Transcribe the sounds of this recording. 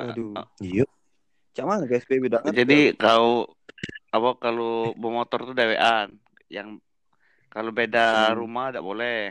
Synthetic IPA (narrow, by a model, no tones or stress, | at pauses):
aduijo | t͡ʃamanapeɛsbebedaŋəd͡ʒadikao | apakalobomɔt̪ɔrt̪udaweʔan | jaŋ | kalobedaɾumadaʔbolɛ